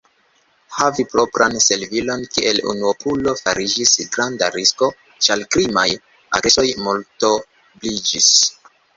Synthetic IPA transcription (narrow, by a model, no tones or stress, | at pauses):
havipɾo̞pɾanse̞lvilo̞nkiʔe̞lṵnuopʰulo̞faɾid͡ʒisɡɾandaɾisko̞ | t͡ʃalkɾimaj | a̰ɾeso̞jmulto̞ | blid͡ʒis